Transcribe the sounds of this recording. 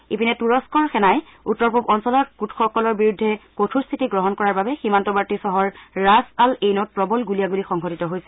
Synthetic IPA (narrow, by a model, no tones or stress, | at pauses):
ipinɛtuɹɔskɔɹxɛnaj | utːɔɹpubɔnsɔlɔtkutxɔkɔlɔɹbiɹudʱːɛkotʰustʰitiɡɹɔɦɔnkɔɹaɹbabɛximantɔbaɹtisɔɦɔɹːasalejnɔt̚pɹɔbɔlɡulijaɡulixɔŋɦɔtitɔɦojsɛ